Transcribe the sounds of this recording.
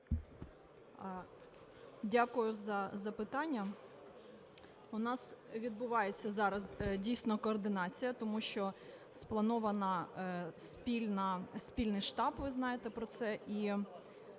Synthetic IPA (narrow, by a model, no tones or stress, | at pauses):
dʲakʊjʊzɐzɐpɪt̪ɑnʲːɐ | ʊnɑsʋʲid̪̚bʊʋɑjet͡sʲːɐzɑɾɐzdʲijsʲnɔkɔːrd̪ɪnɑt͡sʲijɐt̪ɔmuʃt͡ʃɔ | splˠɐnɔʋɐnɐ | spʲilʲnɐsʲpʲilʲnɪjʃt̪ɑpʋɪznɑjet̪ɛpɾɔt̪sɛʔi